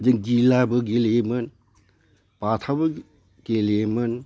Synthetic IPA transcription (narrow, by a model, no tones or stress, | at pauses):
d͡ʒɯŋd͡ʒilabɯɡelemɯn | patʰabɯ | ɡelemɯn